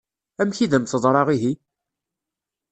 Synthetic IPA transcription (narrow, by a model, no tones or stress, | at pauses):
æmçiðəmθəðˤɾˤɑʁiɦi